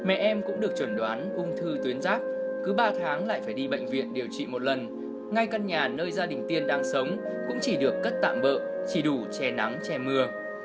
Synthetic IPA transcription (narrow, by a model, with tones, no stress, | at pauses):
mɛ̰˧˨ʔɛ˧mkʊ̰˧˥ŋ͡mɗɨ˨˩ək̚t͡ɕwə˧˩nɗwaː˨˦nʔʊ˧ŋ͡mt̪ʰɨ˧t̪wi˨˦ənzaː˦˥p̚kɨ˨˦ɓaː˧t̪ʰaː˨˦ŋla̰ː˧˨jfaː˧˩jɗi˧ɓə̰˧˨jŋ̟vḭ˧˨ənɗi˨˩əwt͡ɕḭ˧˨mo˨˩t̚lə˨˩n | ŋa˧jkə˧nɲaː˨˩nəː˧jzaː˧ɗï˨˩ŋ̟t̪i˧ənɗaː˧ŋsə˨˦wŋ͡m | kʊ̰˧˥ŋ͡mt͡ɕi˧˩ɗɨ˨˩əkːə˦˥t̚t̪a̰ː˧˨mɓə̰ː˧˨t͡ɕi˧˩ɗu˧˩t͡ɕɛ˧na˨˦ŋt͡ɕɛ˧mɨ˧ə